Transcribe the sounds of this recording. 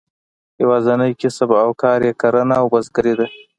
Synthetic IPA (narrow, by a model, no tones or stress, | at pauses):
jawɑːzanəjkisabawkɑːɾjekaɾanaːwbazɡəɾid̪a